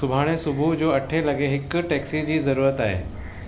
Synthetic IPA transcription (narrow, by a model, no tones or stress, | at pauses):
ʊbʱaːɽ̃esʊbʱud͡ʑoːɐʈʰelɐɡeɦɪk̆ʈɛːksid͡ʑiːzɐɾuːɾət̪aːɦḛː